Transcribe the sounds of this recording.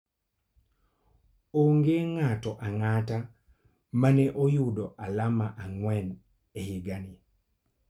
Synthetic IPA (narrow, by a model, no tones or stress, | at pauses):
oŋɡeŋatɔʔaŋata | manɛʔojudɔʔalamaʔaŋwɛn | ehiɡani